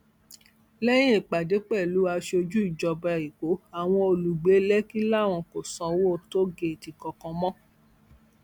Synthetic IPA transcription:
lɛ˦j̃ĩ˦i˨k͡pa˨de˨˦k͡pɛ˦˨lu˨˦a˧ʃo˧d͡ʒu˦i˦˨d͡ʒɔ˧bɛ˧˨i˨ko˨˦a˨w̃ɔ̃˧o˨lu˨ɡ͡be˨˦lɛ˦ki˦la˦˨w̃ɔ̃˧ko˨sɔ̃˨˧wo˦˨to˦ɡe˧˨ti˨kɔ˨kɔ̃˧mɔ̃˦

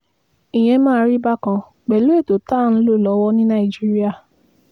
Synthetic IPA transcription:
i˨j̃ɛ̃˧mãː˦˧˦ɾi˦ba˦kã˧ | k͡pɛ˨lo˦e˦˨to˨ta˦n̩˧˦lo˦˨lɔ˨˦wɔ˦nĩ˦nã˦˨i˨d͡ʒi˦ɾi˦a˦˨

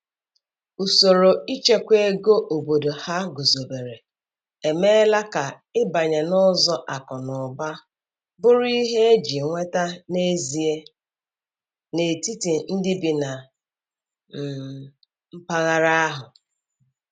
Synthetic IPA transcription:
u˨so˨ɾo˨i˦t͡ʃe˦kʷe˦ɡo˦ʔo˨bo˨do˨ha˦ɡo˨zo˨be˨ɾe˨ | e˨me˦la˦ka˨ | ɪ˦ba˨ɲe˨nɔ˦zɔ˦ʔa˨kɔ˨nʊ˨ba˦ | bʊ˦ɾi˦ɦe˦e˦d͡ʒi˨ŋʷe˦ta˦ne˦zi˨e˦ | ne˨ti˦ti˨n̩˦dɪ˦bi˨na˨ | m̩˦pa˦ɣa˦ɾa˦a˦ɦʊ˨

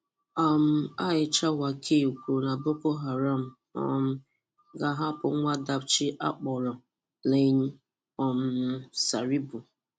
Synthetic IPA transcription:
a˨m̩˨˦a˦ɪ˨t͡ʃa˦wa˨kʰe˦˨kʷu˨na˨bʊ˦ko˦ɦa˨ɾa˦˨m̩˨ | ɔ̰˨m̩˦ | ɡa˨ɦa˦pʊ˨˦ŋʷa˦da˦b̚t͡ʃɪ˦ʔa̰˦k͡pɔ˨ɾɔ˨ | le˦ɲ̩˦ | ɔ˨m̩˨˦sa˨ɾi˦bʊ˨

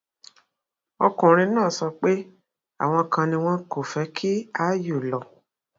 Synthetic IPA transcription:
ɔ˧kũ˨ɾ̃ĩ˧nãː˦˨sɔ˧k͡pe˦ | a̰˦˨w̃ɔ̃˧kã˧nĩ˧w̃ɔ̃˦ko˦˨fɛ˨˦kʰi˦a˦jo˨lɔ˨

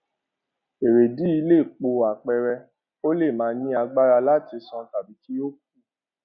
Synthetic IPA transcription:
e˨ɾe˨di˨˦i˧le˦˨k͡po˧˨a˨k͡pɛ˧ɾɛ˧ | o˦le˦˨mãː˨˦nĩ˦a˧ɡ͡ba˦ɾa˧la˦ti˧sɔ̃˧ta˨bi˨˦ki˦o˦k̚u˦˨

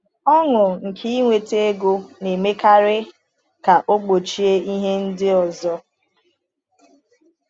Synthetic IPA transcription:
ɔ˦ŋʊ˨ŋ̩˨kʰi˦ŋʷe˨te˦e˦ɡo˦ne˨me˦ka˦ɾɪ˦ | ka˨ʔo˦ɡ͡bo˨t͡ʃi˦e˦i˦ɦe˦n̩˦dɪ˦ɔ˨zɔ˦

